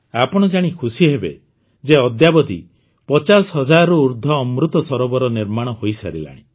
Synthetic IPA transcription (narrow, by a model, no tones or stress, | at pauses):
apɔɽ̃ɔd͡ʒaɽ̃ikʰusiɦebe | d͡ʒeɔd̪jabɔd̪ʱi | pɔt͡ʃasɔɦɔd͡ʒaɾɔuɾd̪ʱɔːmɾut̪ɔsɔɾɔbɔɾɔniɾmaɽ̃ɔhojsa̰ɾila̰ɽ̃i